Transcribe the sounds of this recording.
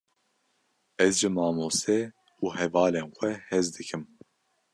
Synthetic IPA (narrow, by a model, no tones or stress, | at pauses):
ɛzʒɨmɑːmoːsɛ | uːhɛvɑːleːnxʷɛhɛzd̪ɨkʰɨm